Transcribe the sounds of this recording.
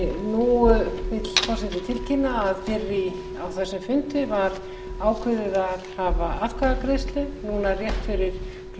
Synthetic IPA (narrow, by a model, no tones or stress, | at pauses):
nuːʏmɪt̪l̥fɔsɪt̪ɪt̪ʰɪlcʰɪnːaːðfɪɾːɪ | awθɛsːɪmfʏnt̪ɪvaɾ | aːwkʰvʏðɪðaɾhavaaðkʰvaðakɾɪst̪lʏnuːnarjɛht̪fɪɾɪɾ̥